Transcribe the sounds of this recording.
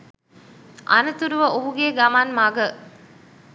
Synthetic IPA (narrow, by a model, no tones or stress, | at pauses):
ʔɐ̰nɐt̪uɾuʋɐʔoɦuɡeːɡɐmaːnmaɡə